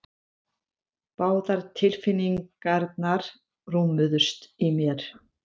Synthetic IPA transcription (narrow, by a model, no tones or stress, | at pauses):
paːwðaɾ̥t̪ʰɪlfɪnːiŋkaɾt̪naɾ̥ | ruːmʏðʏ̥st̪imjɛɾ̥